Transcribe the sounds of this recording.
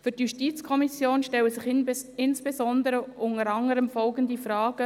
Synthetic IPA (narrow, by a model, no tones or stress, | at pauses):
fʏɾtjuʃtiːt͡skʰɔmisjoːnʃtɛlwəsɪχɪnsb̥ezɔnd̪əɾəʔʊŋəɾɑŋəɾəmfɔlɡənd̪ifɾɑːɡ̥ə